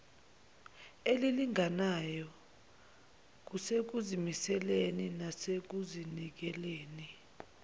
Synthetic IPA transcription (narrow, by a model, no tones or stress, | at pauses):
eliliŋanajɔ | k̬usek̬uzimisɛleninasek̬uzinik̬ɛleːni